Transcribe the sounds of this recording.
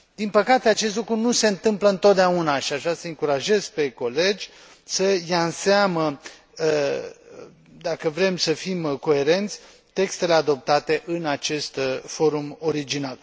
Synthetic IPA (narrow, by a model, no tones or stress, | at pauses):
d̪̥inpəkat̪eat͡ʃe̞st̪lukɾunuse̞ɨnt̪ɨmpləɨnt̪o̞t̪̚d̪eaunaʃiaʒasəɨŋkuɾaʒe̞zpe̞ko̞le̞d͡ʒʲ | səjaɨnseamə | d̪akəvɾe̞msəfimko̞e̞ɾe̞nt̪sʲ | t̪e̞kst̪e̞le̞ad̪o̞p̚t̪at̪e̞ʔɨnat͡ʃe̞st̪fo̞ɾumo̞ɾid͡ʒinal